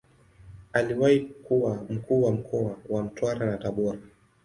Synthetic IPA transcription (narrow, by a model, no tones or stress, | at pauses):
aliwahikuwam̩kuːwam̩kʰɔawam̩twaɾanataɓɔɾa